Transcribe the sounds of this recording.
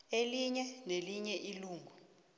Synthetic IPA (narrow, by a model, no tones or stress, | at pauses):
eliɲɛneliɲɛʔiluːŋɡʱu